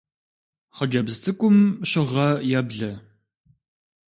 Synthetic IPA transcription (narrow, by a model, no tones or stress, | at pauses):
χəd͡ʒɐbztʰɨkʷʊmɕɪʁɐjabɮɐ